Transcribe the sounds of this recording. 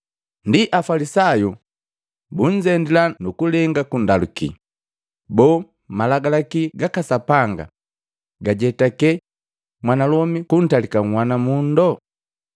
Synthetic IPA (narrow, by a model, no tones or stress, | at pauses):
ndiʔafalisaju | buɲd͡ʒɛndilanukulɛŋɡakundalṵkḭ | bɔː | malaɡalakiɡakasapaŋɡa̰ | ɡaɟɛtakɛ | mwanalɔmikun̩talikaŋ̩wanamundɔ